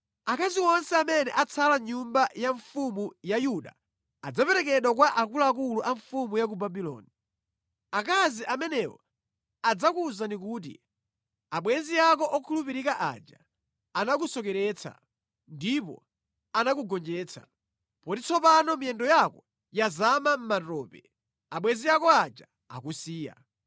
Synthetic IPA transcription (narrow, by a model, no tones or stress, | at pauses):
akaziwɔnsɛamɛnɛʔat͡sʰalaɲumbajaɱfumujajuɗa̰ | ad͡zapɛɾɛkɛɗwak̬waʔakulaːk̬uluʔaɱfumujak̬ubabilɔ̰ːni | akaziʔamɛnɛwɔ̰ | ad͡zakuzandik̬uːt̬ḭ | aɓwɛnziak̬ɔʔɔkʰulupiɾikaʔa̰d͡ʒa̰ | anak̬usɔkɛɾɛt͡sʰa̰ | ndipɔ̰ | anak̬uɡɔnd͡ʒɛːt͡sʰa̰ | pɔtit͡sʰɔpanɔmiɛndɔjakɔ | jazamam̩matɔːpɛ | aɓwɛnzijakɔad͡ʒa | a̰kusiːja̰